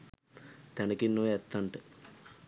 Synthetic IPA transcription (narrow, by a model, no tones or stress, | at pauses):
t̪ɛnɐkinːoːɛt̪ːaɳʈɨ